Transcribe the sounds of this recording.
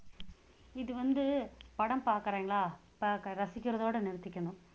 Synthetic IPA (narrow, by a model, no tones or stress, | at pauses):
ɪðɯʋɐnd̪ɯpɐɽɐmpaːɾkɯɾeːŋɡɐɭaː | pːkɾɐsɪkʲːɪɾɐðoːɽɐnɛɾɯt̪ːɪkʲːɐɳɯ̃